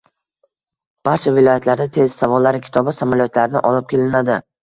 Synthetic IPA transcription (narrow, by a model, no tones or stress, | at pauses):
b̥aɾt͡ʃʰavɪlˠɒjat̪laɾd̪at̪ʰe̞zsavɒlːaɾɪkʲʰɪ̥t̪ʰɒbɪsamaljɒt̪ʰlaɾɪnɪʔɒlˠɪp̚kʲʰe̞lɪnad̪ɪ